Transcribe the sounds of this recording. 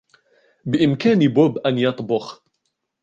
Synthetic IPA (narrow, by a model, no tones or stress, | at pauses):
bɪʔɪmkaːnboːbʔanjɑt̪ˤbʊx